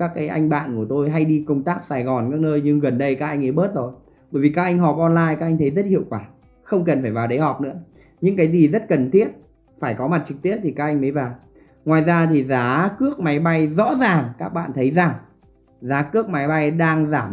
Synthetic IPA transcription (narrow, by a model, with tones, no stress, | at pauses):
kaː˦˥kːaː˨˦jʔa˧jŋ̟ɓa̰ː˧˨nku˧˩ət̪o˧jɦa˧jɗi˧kə˧wŋ͡mt̪aː˦˥k̚saː˨˩jɣɔ˨˩nkaː˦˥k̚nəː˧jɲɨ˧ŋɣə˨˩nɗə˧jkaː˦˥k̚ʔa˧jŋ̟ʔə˨˦jɓəː˦˥t̚zo˨˩j | ɓəː˧˩jvi˨˩kaː˦˥k̚ʔa˧jŋ̟ɦɔ˨˩p̚ʔɔ˧nlaː˧jkaː˦˥k̚a˧ŋ̟t̪ʰə˨˦jzə˦˥t̚hḭ˧˨əwkwaː˧˩ | xə˧wŋ͡mkə˨˩nfaː˧˩jvaː˨˩wɗə˨˦jhɔ˨˩p̚nɨ̰˧˥ə | ɲɨ̰˧˥ŋkaː˨˦jzi˨˩zə˦˥t̚kə˨˩nt̪ʰi˦˥ət̚ | faː˧˩jkɔ˨˦ma˨˩t̚t͡ɕɨ˨˩k̚t̪i˦˥əp̚t̪ʰi˨˩kaː˦˥ʔa˧ŋmə˨˦jvaː˨˩w | ŋwaː˨˩jzaː˧t̪ʰi˨˩zaː˨˦kɨ˦˥ək̚ma˨˦jɓa˧jzɔ̰˧˥zaː˨˩ŋkaː˦˥k̚ɓa̰ː˧˨nt̪ʰə˨˦jza˨˩ŋ | zaː˨˦kɨ˦˥ək̚ma˨˦jɓa˧jɗaː˧ŋzaː˧˩m